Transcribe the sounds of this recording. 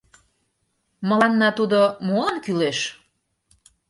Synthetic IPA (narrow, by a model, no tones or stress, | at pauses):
mə̆lɑnːɑt̪ud̪omolənkyleʃ